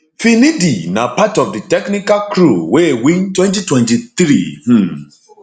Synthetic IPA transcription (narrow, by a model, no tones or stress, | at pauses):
finĩdinãpatɔfditɛknikakɾuwewĩntwɛ̃ntitwɛ̃ntit̪ɾih̩